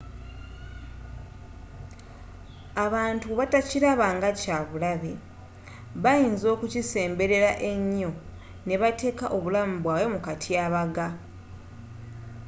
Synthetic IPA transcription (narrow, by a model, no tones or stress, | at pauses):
aβaːntuβataciɾaβaːŋɡacaβulaβe | βajiːnzo̞ːkucise̞ːmbe̞ɾe̞ɾaʔe̞ɲːo̞ | ne̞βate̞ːkaʔo̞βulamuβwaːwe̞mukatʰiaβaɡa